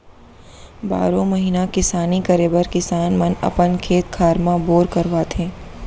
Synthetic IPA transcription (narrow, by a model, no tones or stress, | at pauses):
ba̰ːɾõmɐɦiːnakɪsaːnikɐɾeːbəɾkɪsaːnmɐnɐ̰pənkʰeːt̪̚kʰaːɾmãboːɾkɐɾʋaːt̪ɦẽː